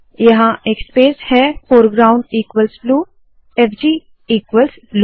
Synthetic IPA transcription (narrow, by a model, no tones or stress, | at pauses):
jɐɦãekspeːshɛːfoːɾɡɾaːʊ̃ɳɖiːkʋəlsbluː | eːpʰd͡ʒiː | iːkwəlsblu